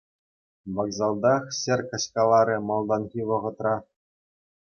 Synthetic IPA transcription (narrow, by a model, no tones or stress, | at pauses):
ʋɑkzɑlˠd̪ɑχsʲerʲkɘ̆ɕʲkɑlˠɑɾʲɘ̆mɑlˠd̪ɑnɣʲiʋɤ̆ʁɤ̆t̪rɑ